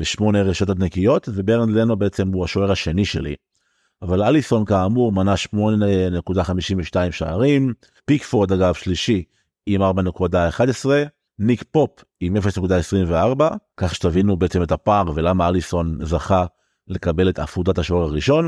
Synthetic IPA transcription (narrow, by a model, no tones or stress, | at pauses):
b̥eʃmo̞neʁeʃot̪atnekijo̞tve̞beʁnd̪lenobeet͡se̞muaʃoeʁaʃe̞niʃe̞̰lḭ | avalaliso̞nkaːmuʁmanaʃmo̞nenekudaχamiʃimveʃtaimʃa̰aʁim | pikfod̪aɡavʃliʃi | imaʁbanekudaeχadesʁe̞ | nikpo̞p | imefeʃnekud̪aesʁimveaʁbakaχʃe̥t̪avinubeet͡semethapaʁvelamaaliso̞nzaχa | le̞kabe̞let̪a̰fudathaʃo̞e̞ʁaʁiʃo̞n